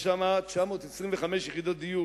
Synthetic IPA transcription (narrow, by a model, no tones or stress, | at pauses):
ʃamat͡ʃamo̞ːt̪esʁimveχameʃjeχid̪ot̪̚d̪iju